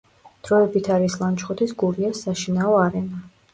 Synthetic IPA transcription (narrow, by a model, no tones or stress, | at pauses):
d̪̥ɾɔɛbit̪ʰaɾislˠant͡ʃχɔt̪ʰisɡuɾiasːaʃinaɔaɾɛna